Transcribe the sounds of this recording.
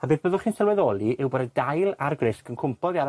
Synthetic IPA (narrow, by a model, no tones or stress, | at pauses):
abɨːðbəðʊlχiːnsɛlˠwɛðɔlˠiʔɪwbɔdədajlˠarɡrɪskənkʰʊmpʰɔðiaɾ